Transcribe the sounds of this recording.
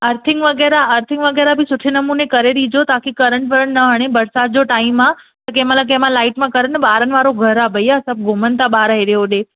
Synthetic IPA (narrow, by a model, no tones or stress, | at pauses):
ɐɾt̪ʰɪŋɡʋɐɡɛːɾaəɾt̪ʰɪŋɡʋɐɡɛːɾabɪsʊʈʰenɐmuːnekɐɾeɗiːd͡ʑot̪aːkʰikɐɾəɳʈʋɐɾəɽ̃nɐɦəɽ̃ebɐɾsaːt̪̚d͡ʑoʈaːimã | t̪ɐk̬ɐ̃ɦmãlak̬ɐɦmãlaːɪʈmãkɐɾənɓaːɾənɪ̆ʋaːɾoɡʱɐɾabɐiasɐb̚ʱɡʱʊmən̆t̪aɓaːɾaɦeɾijoɗeː